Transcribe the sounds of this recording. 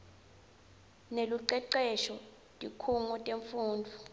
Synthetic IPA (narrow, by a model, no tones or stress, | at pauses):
neluǀɛǃɛʃɔ | tʼikʰuŋɔtʼeɱfuːndʱu